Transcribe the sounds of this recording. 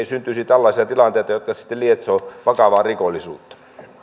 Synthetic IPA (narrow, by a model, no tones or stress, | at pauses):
isynt̪ysit̪ælːɑisiɑt̪ilɑnt̪eˑit̪ɑjot̪kɑsi̥t̪ːelliet̪soːʋɑkɑʋɑːrikolːˑisṵːt̪ːɑ̥